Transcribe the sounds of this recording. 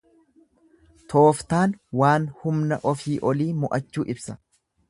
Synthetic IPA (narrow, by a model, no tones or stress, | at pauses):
t̪oːft̪aːnwaːnhʊmnɐʔɔfiːʔɔliːmʊʔɐt͡ʃːuːʔɪbsɐ